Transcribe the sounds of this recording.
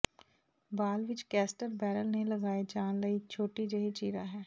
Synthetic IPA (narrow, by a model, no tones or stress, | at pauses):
baːlʋɪt͡ʃkɛːsʈəɾbɛːɾəlnẽləɡaːed͡ʒaːnləit͡ʃʰoːʈid͡ʒɐɦit͡ʃiːɾaɦɛː